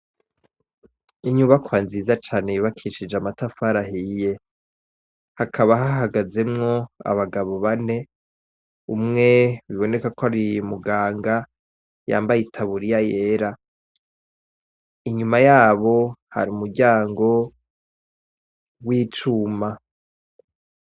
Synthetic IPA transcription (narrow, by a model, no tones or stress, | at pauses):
iɲuβakwaːnziːzat͡ʃaːnejiβakʰiʃid͡ʒamatafaɾaɦije̞ | hakʰaβaɦaɦaɡaze̞mŋo̞a̰βaɡaβo̞βane̞ | umŋe̞βiβone̞kakoaɾiumuɡaːŋɡa | ja̰ːmbajitʰaβuɾijaje̞ːɾa | iɲumajaːβo̞ha̰ɾiumuɾɟaːŋɡo̞ | wiːt͡ʃuːma